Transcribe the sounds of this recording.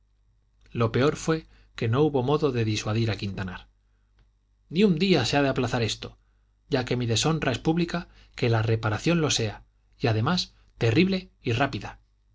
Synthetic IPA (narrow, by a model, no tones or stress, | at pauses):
lo̞pe̞o̞ɾfwe̞ | ke̞no̞uβo̞mo̞ðo̞ðe̞ðiswaðiɾakint̪anaɾ | niund̪iase̞aðeaplaθaɾe̞st̪o̞ | ɟ͡ʝake̞miðe̞so̞nrʔae̞spuβlika | ke̞lare̞paɾaθjo̞nlo̞se̞a | iað̞e̞mas | t̪e̞riβle̞irapiða